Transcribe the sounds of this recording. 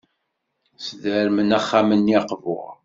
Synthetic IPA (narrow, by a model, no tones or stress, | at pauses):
sðəɾmənæχːamənjɑqvʊ̰ʁ